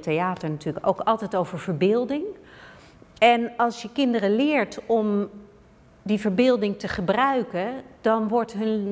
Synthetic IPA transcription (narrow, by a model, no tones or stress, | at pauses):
tejaːtəɹnatyːləko̰wkɑlˠtɛjtowvəɹv̥əɹbɪːlˠdɪŋ | ɛnɑlˠsjəkɪndərəlɪːɹtɔm | divəɹbɪːlˠdɪŋtəχəbrœɥkəd̥ɑnʋɔɹtɦɵn